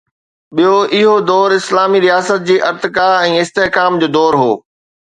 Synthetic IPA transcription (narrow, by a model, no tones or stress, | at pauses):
ɓijoʔɪɦod̪ɔːɾɪslaːmiɾijaːsət̪̚d͡ʑiːʔɐɾt̪ɪkaɛ̃ːɪst̪eɦkaːmd͡ʑoːd̪ɔːɾɦoː